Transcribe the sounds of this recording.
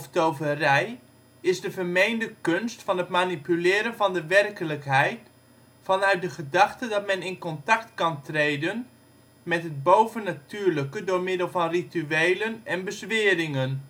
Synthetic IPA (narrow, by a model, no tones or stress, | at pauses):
ftowvərɛj | ɪzdəvərmejndəkɵnstfɑnɦətmanipylɪːɾənvɑndəʋɛrkələkɦɛjt | fɑnœɥt̚dəχədɑχtədɑtmɛnɪnkɔntɑktkɑntrejdən | mɛtɦəd̚bowvənatyːɹləkədʊːɹmɪdəlˠvɑnrityejlənɛnbəzʋɪːrɪŋən